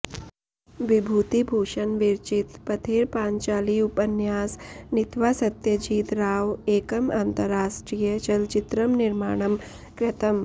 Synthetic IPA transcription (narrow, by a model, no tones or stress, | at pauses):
ʋibʱuːt̪ibʱuːʂɐnʋiɾt͡ʃit̪pɐt̪ʰeːɾpaːɲt͡ʃaːliupɐnjaːsnit̪ʋaːsɐt̪jɐd͡ʒiːt̪ɾaːʋeːkɐmaːnt̪ɐɾaːʂʈɾijɐt͡ʃɐlt͡ʃit̪ɾɐmniɾma̰ːɳ̃ɐm | kɾɐt̪ɐm